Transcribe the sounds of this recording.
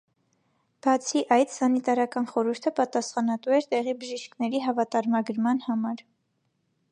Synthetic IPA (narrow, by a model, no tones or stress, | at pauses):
b̥ɑt͡sʰiʔɑjt̪sɑnit̪ɑɾɑkɑnχɔɾuɾt̪ʰəpɑt̪ɑsχɑnɑt̪uɛɾt̪ɛʁibəʒiʃkʰnɛɾiɦɑvɑt̪ɑɾmɑɡəɾmɑnhɑmɑɾ